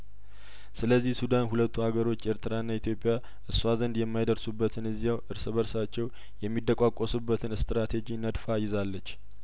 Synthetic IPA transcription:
sɨləzːihsud̪anɦulət̪ʰːuhaɡəɾo̞t͡ʃːe̞ɾt̪ʰɨɾaɨnːait̪ʰjo̞pʼija | ʔɨsːuazənd̪jɛmːajd̪əɾsubːət̪ʰɨnɨzːijawʔɨɾsɨβəɾsat͡ʃːɛw | jɛmːid̪əkʼakʼːosubːət̪ʰɨnɨst̪ɾat̪ʰe̞d͡ʒinəd̪fajɪzalːət͡ʃː

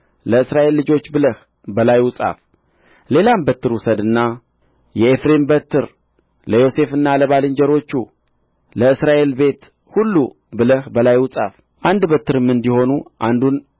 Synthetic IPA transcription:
ləɨsɾaʔe̞lːɨd͡ʒo̞t͡ʃːbɨləh | bəlajusʼa̰f | le̞lambət̪ːɨɾwusəd̪ɨnːa | jɛefɾe̞mbət̪ʰːɨɾ | ləjo̞se̞fɨnːaləβalɨɲd͡ʒəɾo̞t͡ʃːṵ | ləɨsɾaʔe̞lbe̞t̪ | hulːṵ | bɨləhbəlajwʊsʼaf | ʔand̪bət̪ːɨɾɨmːɨnd̪iho̞nuʔand̪un

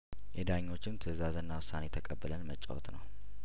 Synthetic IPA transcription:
jɛd̪aɲːo̞t͡ʃːɪnt̪ʰɨzazɨnːawʊsːanet̪ʰəkʼəbːɨlənmət͡ʃʼːa̰wɔ̰t̪nə̰w

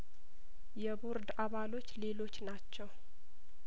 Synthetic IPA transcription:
jɛbuɾd̪aβalo̞t͡ʃːle̞lo̞t͡ʃːnat͡ʃːɛw

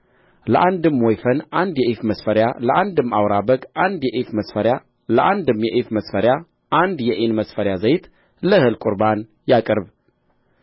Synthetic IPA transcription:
ləʔand̪ɨmwɔjfənʔand̪jɛʔifməsfəɾjaləʔand̪ɨmːawɾabəɡʔand̪jɛʔifməsfəɾja | ləʔand̪ɨmjɛʔifməsfəɾja | ʔand̪jɛʔinməsfəɾjazəjt̪ | ləhɨlkʷʼuɾban | jakʼɨɾβ

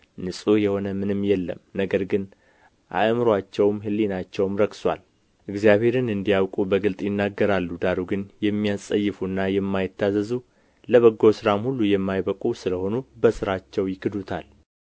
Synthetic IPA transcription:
nɨsʼujɛho̞nəmɨnɨmːjɛlːə̰mnəɡəɾɡɨn | ʔa̰ʔmɨɾwat͡ʃːɛwmɦɨlːinat͡ʃːɛwmɾəkswal | ʔɨɡzijaβhe̞ɾɨnɨnd̪ijawkʼubəɡɨlt̪ʼjɪnːaɡːəɾalːud̪aɾuɡɨnjɛmːijasʼəjːɪfuɨnːajɛmːajɪt̪ːazəzu | ləβəɡo̞sɨɾamhulːujɛmːajbəkʼusɨləho̞nubəsɨɾat͡ʃːɛwjɪkʰɨd̪ut̪ʰal

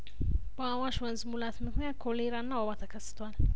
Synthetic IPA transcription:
b̥əawaʃwənzɨmulat̪mɨkʰnjat̪̚kʰoleɾanːawawat̪ʰəkʰəsːɨ̥t̪ʰwal

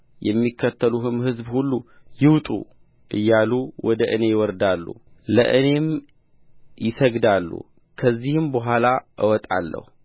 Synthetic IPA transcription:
jɛmːikʰːət̪ʰːəluɦɨmhɨzbhulːujɪwt̪ʼṵ | ʔɨ̰jːaluwʔɔd̪əʔɨne̞jwɔɾd̪alːṵlə̰ʔɨne̞m | jɪsəɡd̪alːṵ | kʰəzːihɨmbəɦʷalaʔɨwɔt̪ʼa̰lːə̰hu

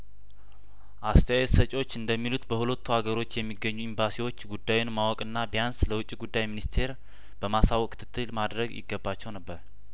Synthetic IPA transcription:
ʔast̪ʰəjajɛsət͡ʃʼo̞t͡ʃːɨnd̪əmːilut̪bəhulət̪ːuaɡəɾo̞t͡ʃːjɛmːiɡːəɲːuimbasiwo̞t͡ʃːɡud̪ːajunmawɔkʼɨnːabijansləwʊt͡ʃʼːiɡud̪ːajminist̪ʰe̞ɾ | b̥əmasawɔkʼt̪ʰɨ̥t̪ʰːɨlmad̪ɾəɡjɪ̰ɡːəbːat͡ʃːɛwnəbːəɾ

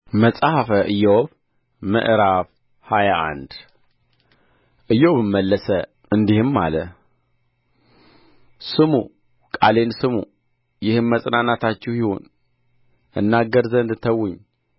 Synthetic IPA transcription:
məsʼahafəʔɨjːɛoβ | mə̰ʔɾaf | hajaʔa̰nd̪ | ʔɨjːɛwβɨmːəlːəsə | ɨnd̪ihɨmːa̰lə | sɨmu | kʼale̞nsɨmṵ | jɪhɨmːəsʼnanat̪ʰat͡ʃːɛwjiho̞̰n | ʔɨnːaɡːəɾzənd̪t̪ʰəwːʊɲː

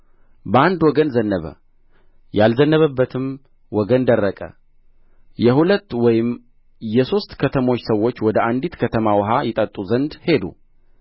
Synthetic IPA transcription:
bəand̪wɔɡənzənːəβə̰ | jalzənːəβəbːət̪ʰɨm | wɔɡənd̪ərːəkʼə̰ | jɛhulət̪ːwɔjɪm | jɛso̞st̪kʰət̪ʰəmo̞t͡ʃːsəwːot͡ʃːwɔd̪əʔand̪it̪kʰət̪ʰəmawɔɦajɛt̪ʼət̪ʼːuzənd̪he̞d̪ṵ

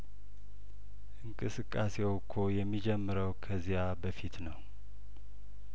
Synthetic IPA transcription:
ʔɨŋkʼɨsɨkʼːasewkʰojɛmːid͡ʒɛmːɨɾəwkʰəzijabəfit̪nəw

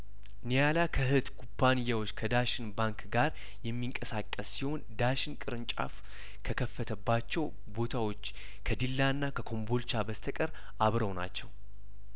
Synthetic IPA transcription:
nijalakʰəhɨt̪kʰupʰːanɨjːawo̞t͡ʃːkʰəd̪aʃɪnbaŋkɡaɾ | jɛmːiŋkʼəsakʼːəsːiho̞nd̪aʃɪnkʼɨɾɨnt͡ʃʼa̰f | kʰəkʰəfːət̪ʰəbːat͡ʃːɛw | bo̞t̪ʰawo̞t͡ʃː | kʰəd̪ilːaɨnːakʰəkʰo̞mbo̞lt͡ʃabəst̪ʰəkʼəɾ | aβɾəwna̰t͡ʃːɛw

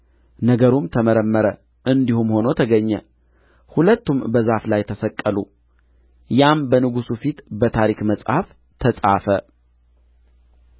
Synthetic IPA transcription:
nəɡəɾumt̪ʰəməɾəmːəɾə | ʔɨnd̪ihumho̞not̪ʰəɡəɲːɛ̰ | hulət̪ːumbəzaflajt̪ʰəsəkʼːəlṵ | jambənɨɡusufit̪bət̪ʰaɾikməsʼhaf | t̪ʰəsʼa̰fə

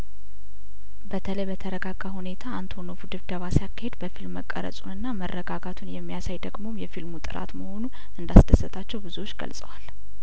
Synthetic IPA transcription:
bət̪ʰələjbət̪ʰəɾəɡaɡ̥ahune̞t̪ʰaːnt̪ʰo̞nofud̪ɨβd̪əβasijakːahe̞d̪bəfilmːəkʼːə̰ɾə̰sʼunɨnːamərːəɡaɡat̪ʰunjɛmːijasajd̪əɡmo̞mjɛfilmut̪ʼɨ̰ɾa̰t̪məho̞nu | ʔɨnd̪asd̪əsɨt̪ʰat͡ʃːɛwbɨzuwo̞t͡ʃːɡə̰lsʼə̰wal

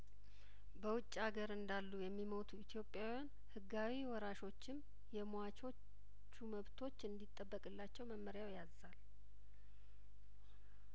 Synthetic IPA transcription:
bəwʊt͡ʃʼːaɡəɾɨnd̪alːujɛmːiməwt̪ʰuit̪ʰjo̞pʼjawjan | hɨɡawiwɔɾaʃo̞t͡ʃːɪm | jɛmoat͡ʃo̞ | t͡ʃːuməβt̪ʰo̞t͡ʃːɨnd̪it̪ʼːəbːəkʼɨlːat͡ʃːɛwməmːəɾjawjazal

